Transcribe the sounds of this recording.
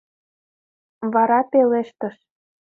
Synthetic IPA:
βɑɾɑpeleʃt̪ə̆ʃ

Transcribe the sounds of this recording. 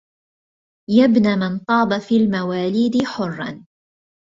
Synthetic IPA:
jabnamɪnt̪ˤɑːbafiːlmawaːliːd̪ɪħʊrˤːɑ̰n

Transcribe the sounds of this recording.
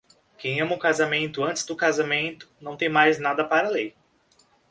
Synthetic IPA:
kẽj̃ɐ̃mɐʊkazamẽnt̪ʊɐ̃nt͡ʃ̪ɪ̥zd̪ʊkazamẽnt̪ʊ̥nɐ̃w̃t̪ẽj̃majznad̪ɐpaɾɐalej

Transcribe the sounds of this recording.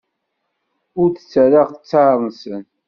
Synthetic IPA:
ʊɾθə̥t͡sːəɾaʁθə̥t͡sːaɾˤnsən

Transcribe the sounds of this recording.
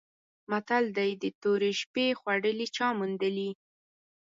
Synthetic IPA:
mat̪ald̪ajd̪ət̪oɾeʃpexwaɽəlit͡ʃɑmund̪əli

